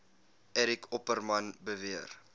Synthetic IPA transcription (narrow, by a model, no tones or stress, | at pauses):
ʔɛɾikɔpərmɐnbəviər